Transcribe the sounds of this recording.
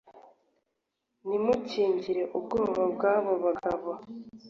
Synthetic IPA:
nimuciːɲɟiɾe̞ʔubɡoːmvabɡaːβoβaɡaβa

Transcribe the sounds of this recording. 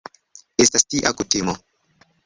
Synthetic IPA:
estastiʔakutemɔ

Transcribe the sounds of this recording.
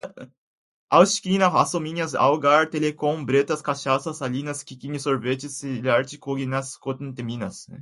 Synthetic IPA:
awʃkinɐasomiɲɐsa̰wɡaɾt̪elekõŋbɾet̪ɐskaʃasɐsaʎinɐskikiɲisoɾvet͡ʃisiʎaɾt͡ʃikoɡinɐskot̪nt̪eminɐs

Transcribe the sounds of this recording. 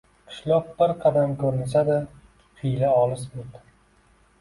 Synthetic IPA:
qʰɪ̥ʃlˠɒp̚bɪɾqʰɑd̪amkʰɵɾɪnsad̪a | qʰijlaɒlˠɪsmɪt̪

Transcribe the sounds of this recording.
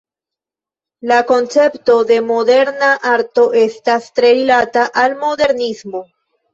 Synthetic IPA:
lako̞nt͡se̞pto̞d̪e̞mo̞de̞ɾnaʔaɾto̞ʔe̞stastɾe̞ɾilataʔalmo̞de̞ɾnismo̞

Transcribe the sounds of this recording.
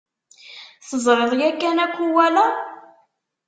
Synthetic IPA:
θəzˤɾˤeðˤjækːænækʷːuwælæ

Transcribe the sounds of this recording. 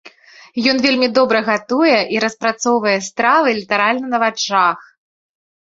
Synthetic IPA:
jɔn̪vʲelʲmʲid̪ɔbɾɐɣat̪ujɛʔiɾɐspɾat̪sɔwvɐjɛst̪ɾavɨlʲit̪ɐɾalʲnɐnɐvat͡ʂax

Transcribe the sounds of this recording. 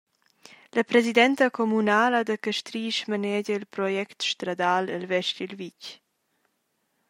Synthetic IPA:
ləpɾɛzid̪ɛnt̪əkʰɔmunaːlad̪əkəʃt̪ɾiːʃmənɛɟəilpɾɔjɛkt̪ʃt̪ɾad̪aːləlvɛʃtilvic

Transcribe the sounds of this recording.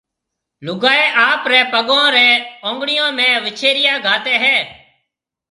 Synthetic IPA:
lʊɡaːeːʔaːpɾɛːpəɠõːɾɛːõːŋɡɽɪjõːmɛ̃ːʋɪt͡ʃʰeːɾɪjaːɡʱaːt̪eːɦɛː

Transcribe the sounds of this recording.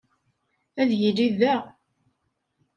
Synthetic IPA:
æðjiliðæʁ

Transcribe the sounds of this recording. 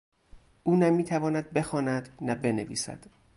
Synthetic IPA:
ʔuːnæmiːt̪ʰævɒːnæd̪̚be̞xɒːnæd̪næbe̞nevḭːsæ̰d̪̥

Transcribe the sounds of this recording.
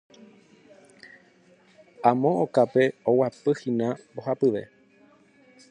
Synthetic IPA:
ãmõʔokape̞owapɨhĩnãmbohapɨʋe̞̰

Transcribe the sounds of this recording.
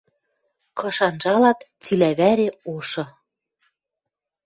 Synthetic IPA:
kɤ̆ʃɑnʒɑlɑt̪ | t͡silæβæɾeoʃɤ̆

